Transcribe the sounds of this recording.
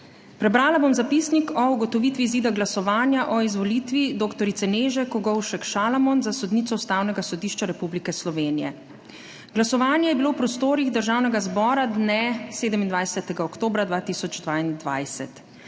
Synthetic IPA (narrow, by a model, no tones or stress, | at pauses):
pɾɛbɾaːlabomzapisnikɔuɡɔt̪ɔʋiːt̪ʋiziːd̪aɡlasɔʋaːnjaʔɔizʋɔlit̪ʋid̪oːkt̪ɔɾit̪sɛneːʒɛkɔɡɔwʃɛkʃalamɔnzasɔd̪nit̪sɔust̪awnɛɡasɔd̪iʃt͡ʃaɾɛpublikɛslɔʋeːnijɛ̰ | ɡ̥lasɔʋaːnjɛjɛbilowpɾɔst̪oːɾiɣd̪əɾʒaːwnɛɡazbɔːɾad̪nɛseːd̪əmind̪ʋajsɛt̪ɛɡaɔkt̪oːbɾad̪ʋaːt̪isɔd͡ʒd̪ʋaːind̪ʋa̰jsɛt̪